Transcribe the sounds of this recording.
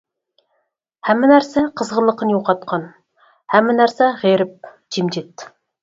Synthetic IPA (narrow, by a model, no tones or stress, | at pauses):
hæmːɪnæɾsɛqʰəzʁəlˠːəqənjoqɑt̪̚qʰɑn | hæmːɪnæɾsɛʁeɾɪp̚ | d͡ʒimd͡ʒet̪ː